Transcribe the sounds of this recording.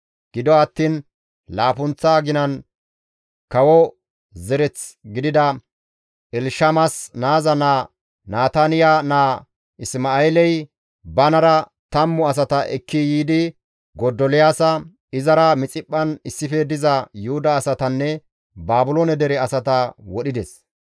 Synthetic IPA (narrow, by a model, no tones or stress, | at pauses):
ɡ̥ɪd̪ɔɐt̪ːiːn | laːfʊnt͡sːaːɡɪnɐn | kɐwɔ | zɛɾɛt͡sɡɪd̪ɪd̪ɐ | ʔɛlʃɐmɐsnaːzɐnaː | naːt̪ɐnɪjanaː | ɪsmaelɛj | bɐnɐɾɐ | t̪ɐmːʊɐs̬ɐt̪ɐʔɛkʰːɪjiːd̪ɪ | ɡɔd̪ɔlɪjaːsɐ | ɪzɐɾɐmɪt͡sʼɪpʼːɐnɪsːɪfɛd̪ɪzɐjʊhʊd̪ɐːsɐt̪ɐnːɛ | baːbʊlonɛd̪ɛɾɛɐsɐt̪ɐwɔɗɪd̪ɛs